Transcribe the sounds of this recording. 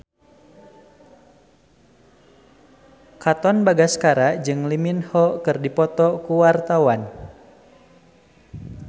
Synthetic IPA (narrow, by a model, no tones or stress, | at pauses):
kat̪ɔnbaɡaskaɾad͡ʒɨŋliminhɔkɨrdipɔt̪ɔkuwart̪awan